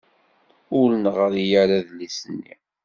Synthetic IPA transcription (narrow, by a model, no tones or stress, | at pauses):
ʊlənʁəɾjaɾaðlisənːḭ